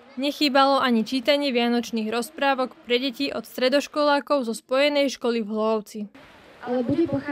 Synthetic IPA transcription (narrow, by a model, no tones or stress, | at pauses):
ɲɛxiːbalɔaɲit͡ʃiːt̪aɲɪɛʋɪanɔt͡ʃniːɣɾɔspɾaːʋɔkpɾɛɟɛciːʔɔt̪st̪ɾɛd̪ɔʃkɔlaːkɔʊzɔspɔjɛnɛjʃkɔlivɦlɔʊt͡si | alɛbudu